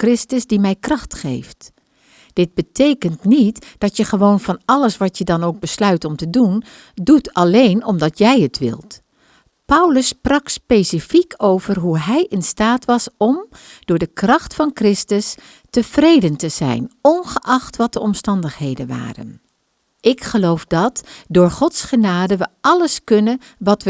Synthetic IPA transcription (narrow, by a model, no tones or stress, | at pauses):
krɪstəzdimɛjkrɑχtχḛjft | d̥ɪd̚bətejkəntnitd̥ɑtjəχəʋownvɑnɑləsʋɑtjədɑnowɡ̚bəslœɥtɔmtədun | dutɑlejnɔmdɑtjɛjətʋɪ̰lˠt | pʌwləsprɑkspejsifikʰowvərɦuɦɛjʔɪnstaːtʋɑsɔmd̥ʊːɹdəkrɑχtfɑnkrɪstəs | təv̥rejdəntəzɛ̰jnɔnχəʔɑχtʋɑt̚dəʔɔmstɑndəχɦejdənʋa̰ːrə̰n | ʔɪkχəlowfdɑtdʊːɹχɔtsχənaːdəʋəɑləskɵnən | ʋɑtʋə